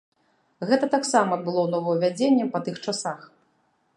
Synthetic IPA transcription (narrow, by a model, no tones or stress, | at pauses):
ɣɛt̪ɐt̪aksamɐɐd̪̚bɨlˠɔwnɔvɐwvʲad͡zʲenʲːɛpɐt̪ɨxt͡ʂasax